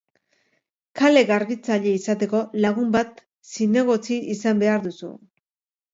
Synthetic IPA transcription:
kale̞ɣaɾβit͡saʎe̞isat̪e̞ko̞laɣumbat̪ | sine̞ɣ̞o̞t͡siisambe̞aɾðusṵ

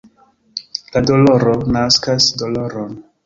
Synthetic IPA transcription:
ladoloɾonaskasdoloɾon

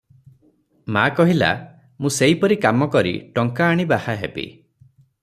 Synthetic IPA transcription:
makɔɦila̰ | mũseipɔɾikamɔkɔɾḭʈɔŋkaːɽ̃ibahaɦebḭ

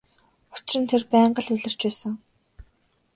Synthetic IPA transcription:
ʊt͡ɕɪrə̆nt̪ʰerpæːɴɢə̆ɮʊɮə̆r̥t͡ɕpæːsə̆ŋ

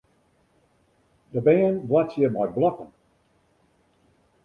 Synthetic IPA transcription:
d̥əbɛːnblatjəmɔjt̚blɔkən

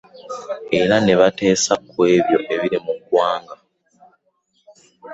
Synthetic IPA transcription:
eɾaneβate̞ːsakwe̞ːβjo̞ʔe̞βiɾimukwaːŋɡa

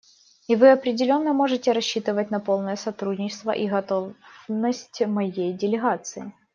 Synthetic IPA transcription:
ivɨɐpɾʲɪdʲɪlʲo̞nːəmo̞ʐɨtʲɪɾɐɕːit̪ɨvət̚ʲnɐpo̞lˠnəjəsɐt̪ɾudʲnʲɪt͡ɕɪst̪və̰ʔiɣɐt̪o̞vnəsʲtʲmɐjejdʲɪlʲɪɣat̪sɨɪ

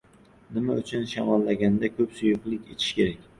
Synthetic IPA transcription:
nɪmaʊt͡ʃʰʊnʃɒmɒlːaɡʲand̪akʰɵpsʊjʊqlˠɪkʲet̪ʰɪ̥ʃkʲe̞ɾakʲ

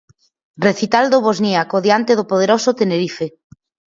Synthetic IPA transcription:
reθit̪ald̪oβozniakoðjant̪eðopoð̞eɾosot̪eneɾife

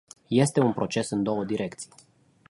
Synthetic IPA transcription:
je̞st̪e̞unpɾo̞t͡ʃe̞sɨnd̪o̞wəd̪iɾe̞kt̪si̥j

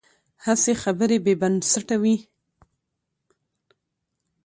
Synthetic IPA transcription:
hasexabəɾebebansaʈawi

